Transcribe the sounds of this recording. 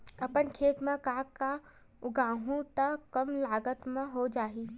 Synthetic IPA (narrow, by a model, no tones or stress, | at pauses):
əpənkʰeːt̪mẽkaːkːa | ʊɡaːɦũt̪əkəmlaːɡət̪mẽɦod͡ʒaːɦi